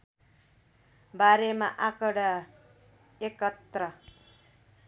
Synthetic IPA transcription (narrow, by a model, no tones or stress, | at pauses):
baɾemaʔakʌɽa | ekʌt̪rʌ